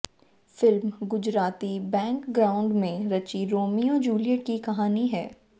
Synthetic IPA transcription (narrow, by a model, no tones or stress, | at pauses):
fɪlmɡʊd͡ʒɾaːt̪ibɛ̃ːŋkɡɾaːʊ̃ɳɖmẽɾɐt͡ʃiɾoːmijõd͡ʒuːlijəʈ̚kikɐɦaːniɦɛː